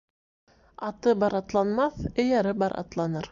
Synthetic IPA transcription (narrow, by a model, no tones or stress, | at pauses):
ɑt̪ɤbɑɾɑt̪lˠɑnmɑθɘ̆jæɾɘbɑɾʔɑ̰t̪lˠɑnɤɾ